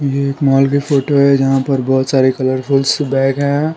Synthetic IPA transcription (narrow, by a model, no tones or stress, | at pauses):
jeeːkmaːlɡipʰoːʈoɦɛd͡ʒɐɦãpɐɾbɔːt̪saːɾekɐləɾpʰulsbɛ̃ːkɦɛ̃